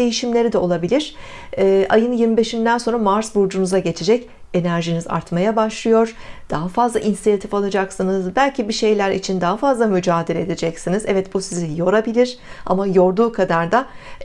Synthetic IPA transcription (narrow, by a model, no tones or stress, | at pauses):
e̞jiʃimlʲe̞ɾid̪ɛo̞lˠabilʲiɾ̥ | ɛːʔajɯnjilˠmibe̞ʃind̪ænso̞nɾamaɾsbuɾd͡ʒunuzaɟe̞t͡ʃʰed͡ʒɛc | e̞næɾʒiniza̰ɾt̪majabaʃlˠɯjo̞ɾ̥d̪̥aɦafazlˠaʔinsijat̪ʰifalˠad͡ʒaksɯnɯzbælʲcʰibiʃe̞jlʲæɾḭt͡ʃʰind̪aɦafazlˠamyd͡ʒaːd̪eɾed̪ed͡ʒɛcsinizɛvɛt̪busizijo̞ɾabilʲiɾ̥a̰majo̞ɾd̪uːkʰad̪aɾd̪a